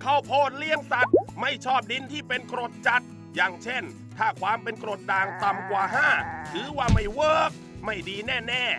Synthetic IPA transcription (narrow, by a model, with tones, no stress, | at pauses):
kʰa˦˥˩wpʰoː˧˥˩t̪̚li˥˩əŋsa˨˦t̪̚ma˥˩jt͡ɕʰɔː˥˩p̚di˧˥nt̪ʰiː˥˩pe˧nkɾoː˨˩t̪̚t͡ɕa˨˦t̪̚ | jaː˨˧ŋt͡ɕʰe˥˩n | t̪ʰaː˥˩kʰwaː˧mpe˧nkɾoː˨˩t̪̚daː˧ŋt̪a˧mkwaː˨˩ɦaː˥˩tʰɯː˨˦waː˥˩ma˥˩jwɤː˥˩k̚ | ma˥˩jdiː˧nɛː˥˩nɛː˥˩